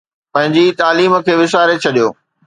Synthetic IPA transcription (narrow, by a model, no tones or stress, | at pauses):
pɐ̃ɦɪ̃ɲd͡ʑit̪aːliːmə̆kʰeːʋɪʃaːɾet͡ɕʰɐɗijoː